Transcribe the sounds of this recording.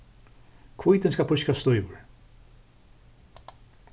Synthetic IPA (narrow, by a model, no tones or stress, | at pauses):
kʰvujt̪ɪnskalpʰʊʃkast̪ɔʏvʊ̰ɹ